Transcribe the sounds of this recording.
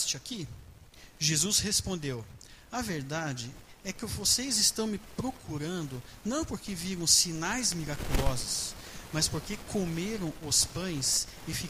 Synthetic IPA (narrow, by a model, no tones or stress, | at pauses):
t͡ʃɪaki | ʒezuzhespõnd̪ew | ɐveɾd̪ad͡ʒɪ | ɛkɪvosejzɪst̪ɐ̃w̃mɪpɾokʰuɾɐ̃nd̪ʊ | nɐ̃w̃poɾkɪviɾɐ̃w̃sinajzmiɾakulɔzʊs | mɐspoɾkekʰomeɾɐ̃w̃ʊspɐ̃j̃s | ɪfi